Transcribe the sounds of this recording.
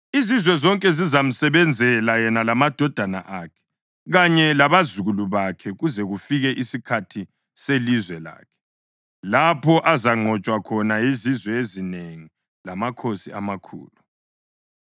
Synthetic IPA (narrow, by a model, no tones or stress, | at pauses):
izizwɛzɔŋkʼɛzizam̩sɛβɛnd͡zʱɛlajɛnalamad̥ʱɔd̥ʱana̰ʔakʰɛ̥ | ɣaɲɛlaβazuɣuluβakʰɛɣuzɛɣufiɣɛʔisikʰatʰi | selizwɛla̰ːkʰɛ̥ | lapʰɔʔazaŋ͡ǃʱɔt͡ʃʼwakʰɔnajizizwɛezineŋi | lamakʰosiamakʰṵːlu